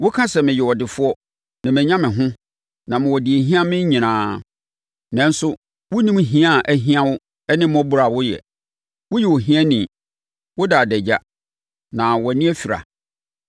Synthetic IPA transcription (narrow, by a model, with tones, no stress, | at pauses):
wʊ˦kʰã˦sɛ˨mɪ̃˨jɛ˨wɔ˨dɪ˨fʊ˦ɔ˦ | nã˨mɛ̃˨ɲã˦mɪ̃˨ɦʊ̃˦ | nã˨m̃˨wɔ˨di˨e˨ɦĩ˦ã˦mɪ̃˦ɲĩ˨nãː˦ | nɛ̃˨n̩˦sʊ˦ | wʊ˦nĩ˦m˦ɦĩ˦a˦˨ʔæ˨ɦĩ˦ã˦wʊ˦ | ɛ˦nɪ̃˦m˦ɔ̃˦bu˦ɾa˨wʊ˦jɛ̰˨ | wʊ˦jɛ˨wɔ˨ɦĩ˦æ˦nĩ˨ | wʊ˦daː˨dɛ˨d͡ʑa˦ | nã˨wɔ˨nĩ˦ɛ˦fi˨ɾa̰˨